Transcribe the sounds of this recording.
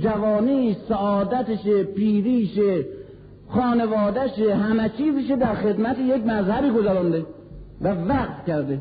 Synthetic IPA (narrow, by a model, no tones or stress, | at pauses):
d͡ʒævɒːniːsæʔɒːd̪æt̪eʃepiːɾiːʃe | xɒːnevɒːd̪æʃehæmæt͡ʃʰiːziʃ̬ed̪æɾxed̪mæt̪ejekmæzhæbiːɡozæɾɔnd̪e | vævæqt̪cæɾd̪e